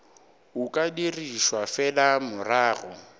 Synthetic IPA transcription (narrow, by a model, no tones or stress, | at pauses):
ukʼadiriʃwafɛlamʊraːɣʊ̰